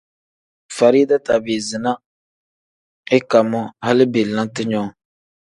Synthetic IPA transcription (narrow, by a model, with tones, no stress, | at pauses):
fa˨ɾi˦da˦ta˨be˨zɨ˨na˦ | ɪ˦ka˨mɔ˦ha˦lɪ˦be˨lna˦ntɨ˦ɲɔ˦˨